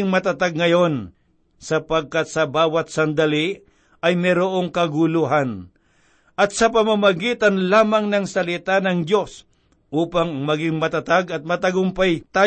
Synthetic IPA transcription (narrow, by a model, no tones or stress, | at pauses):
ŋmɐt̪at̪aɡŋɐjo̞n | sɐpɐɡ̚kat̪̚sɐbaːwɐt̪̚sɐnd̪ali | ʔɐjmɛɾoʔoŋkɐɡʊluɦan | ʔɐt̪̚sɐpɐmamɐɡiːt̪anlaːmaŋnɐŋsɐlɪt̪anɐŋd̪jo̞s | ʔuːpaŋɐŋmɐɡɪŋmɐt̪at̪aɡɐt̪̚mɐt̪ɐɡʊmpajt̪aː